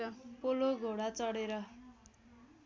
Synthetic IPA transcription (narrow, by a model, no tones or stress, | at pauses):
ʌpoloɡʱoɽat͡sʌɽeɾʌ